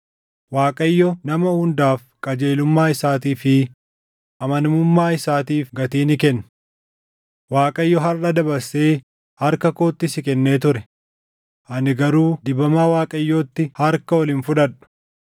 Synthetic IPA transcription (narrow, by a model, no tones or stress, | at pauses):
waːkʼɐjːɔnɐmɐhʊnd̪aːf | kʼɐd͡ʒe̞ːlʊmːaːɪsaːt̪iːfɪ | ʔɐmɐnmʊmːaːɪsaːt̪iːfɡɐt̪iːnɪkɛnːʊ̥ | waːkʼɐjːɔɦɐrɐd̪ɐbɐɾseː | hɐɾkɐko̞ːt̪ːɪsɪkɛnːeːt̪̬ʊɾɛ | ʔɐnɪɡɐɾuːd̪ɪbɐmaːwaːkʼɐjːoːt̪ːɪhɐɾkɐwɔlɪːnfʊᶑɐᶑʊ̥